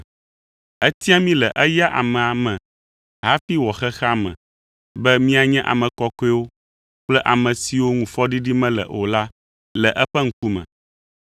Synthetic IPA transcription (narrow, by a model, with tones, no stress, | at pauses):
ɛ˦t̪i˦a˦mĩ˦lɛ˨ʔɛ˦ja˦ʔa̰˨mɛ̃˨a˨mɛ̃˨ | ɦa˦fi˦wɔ˨xɛ˦xa˦mɛ̰̃˨ | bɛ˦mĩ˦a˨ɲɛ̃˦ʔa̰˨mɛ̃˨kɔ˦kɔ˦ɛ˦wo˦ | k͡plɛ˦ʔa˨mɛ̃˨si˨wo˦ŋũ˨fɔ˦ɖi˦ɖi˦mɛ̃˦lɛ̰˨ʔo˨la˦ | lɛ˨ʔɛ˦ɸɛ˦ŋ̩˦ku˦mɛ̰̃˨